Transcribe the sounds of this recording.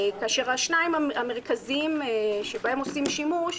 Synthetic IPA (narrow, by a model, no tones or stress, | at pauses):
kaaʃeʁaʃnaimaame̞ʁkaziimʃebae̞mo̞simʃimuʃ